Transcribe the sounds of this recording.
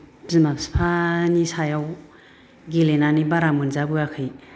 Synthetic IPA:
zimapspʰanisajaw | ɡelenanibaɾamunzabɯakʰɯj

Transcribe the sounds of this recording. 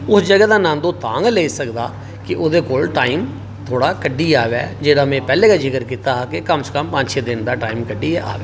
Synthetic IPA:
ʊsd͡ʒəɡɛːd̪aːnãːnd̪õːt̪ãːŋɡleːisəkd̪aː | kɪʔoːd̪eːkoːlʈaːiːm | t̪ʰoːɽaːkəɖːiːaːʋɛːd͡ʒeːɽaːmɛ̃ːpɛːleːkaːd͡ʒɪkəɾkiːt̪aːkekəmsə̥kəmpãɲʃeːd̪ɪnd̪aːʈaːiːmkəɖiːɛːʔa̰ːʋeː

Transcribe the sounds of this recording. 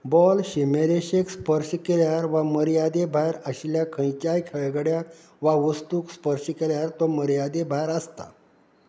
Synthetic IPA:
bɔlɕimeɾeɕekspəɾɕəkeɾjaɾʋaməɾjad̪ebʱajɾəɕljakʰə̃jt͡ɕajkʰəɭɡəɽja | ʋaʋəst̪ukspəɾɕəkeɾjaɾt̪ɔməɾjad̪ebʱajɾəst̪a̰

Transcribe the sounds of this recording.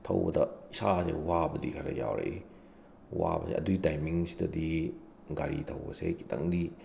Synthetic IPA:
tʰɐwbɐdɐisasḛwabɐdikʰajɾɐjawɾei | wabɐseʔɐduitajmiŋsi̥dɐdi | ɡaɾitʰɐwbɐseki̥tɐŋdi

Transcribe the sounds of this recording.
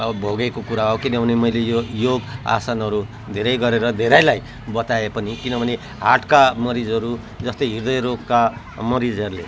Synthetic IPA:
bʱoɡekokuɾaɦawkinʌbʱʌnemʌjlejojoɡa̰sanʌɾu | d̪ʱeɾʌjɡʌɾeɾʌd̪ʱeɾʌjlaj | bʌt̪aepʌnikinʌbʱʌne | ɦaʈkamʌɾid͡zʌɾu | d͡zʌst̪ʌjɦird̪ʌjɾokːa | mʌɾid͡zʌɾulḛ

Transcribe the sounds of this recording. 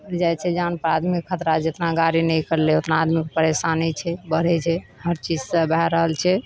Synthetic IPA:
d͡ʒajt͡ʃʰɛd͡ʒanpəɾad̪mikʰːət̪ɾad͡ʒet̪naɡaɾinɛjkəɾleot̪naːd̪mikpəɾesanɛt͡ʃʰɛbəɽ̤ɛt͡ʃʰɛɦəɾt͡ʃid͡ʒsəbɛɾəɦəlt͡ʃʰɛ

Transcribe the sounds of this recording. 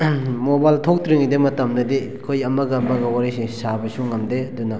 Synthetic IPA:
mobajltʰok̚tɾiŋidemɐtɐmnɐdi | kʰojɐmɐɡɐɐmɐɡɐwaɾisisabɐsuŋɐmdeɐdunɐ

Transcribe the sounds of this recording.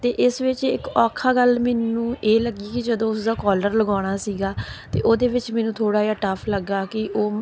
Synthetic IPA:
t̪eːʔɪsʋɪt͡ʃɪkɔːkʰaːɡəlmɛːnũːʔeːləɡiːkɪd͡ʒəd̪õːʊsd̪aːkɔːləɾləɡaːɽ̃aːsiːɡaːt̪ḛːʔoːd̪eːʋɪt͡ʃmɛːnũːt̪ʰoːɽaːjaːʈəpʰləɡːaːkɪʔoː

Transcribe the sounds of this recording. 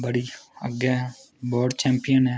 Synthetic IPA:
bəɽiːə̰ɡɛɦ | bɔːɖt͡ʃɛ̃ːmpɪjənɦɛː

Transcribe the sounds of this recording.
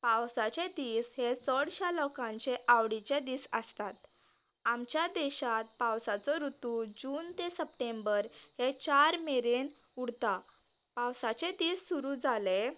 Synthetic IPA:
pãwsat͡ɕed̪iːshesəɽɕalɔkãɲt͡ɕeʔaʋɽit͡ɕed̪iːsə̰st̪at̪ | amt͡ɕjad̪eɕat̪̚pawsat͡sɔɾut̪ud͡ʑuːnt̪esəpʈembəɾhet͡ɕaɾmeɾen | uɽt̪a | pãwsat͡ɕed̪iːsːuɾud͡zʱale

